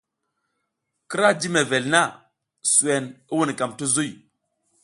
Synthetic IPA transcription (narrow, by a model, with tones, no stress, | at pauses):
ki˦ɾa˦d͡ʒi˦me˨ve˨lna˦˨ | su˨e˨ni˦wu˦n˨ka˨mtu˦zu˦j